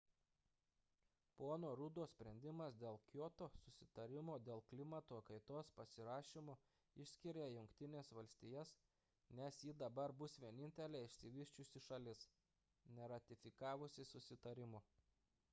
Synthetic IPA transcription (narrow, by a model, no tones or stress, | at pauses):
poːnoːɾʊd̪oːsʲpʲɾʲɛnʲd̪ʲɪmɐsd̪ʲeːlˠkʲjoːt̪oːsʊsʲɪt̪ɐɾʲɪmoːd̪ʲeːlˠklʲɪmɐt̪oːkɐɪt̪oːspɐsʲɪɾɑːʃʲɪmʊ | ɪʃʲsʲkʲɪɾʲejʊŋkt̪ʲɪnʲeːsʋɐlʲsʲt̪ʲɪjɛs | nʲɛsjiːd̪ɐbɐɾbʊsʋʲiɛnʲɪnʲt̪ʲɛlʲeːɪʃʲsʲɪʋʲɪʃʲt͡ʃʲʊsʲɪʃɐlʲɪs | nʲɛɾɐt̪ʲɪfʲɪkɑːʋʊsʲɪsʊsʲɪt̪ɐɾʲɪmʊ